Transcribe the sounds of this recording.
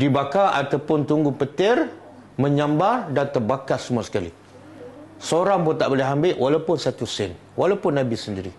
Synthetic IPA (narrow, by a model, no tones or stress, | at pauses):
dibakaʔa̰t̪awpʊnt̪uŋɡʊpət̪ɪr | mə̃ɲãmbardant̪ərbakasəmuasə̥kalḭ | səoɾaŋbʊt̪aʔbolɪɦambɪʔwalapʊnsat̪usɪn | walawpʊnːãbisəndiɾḭ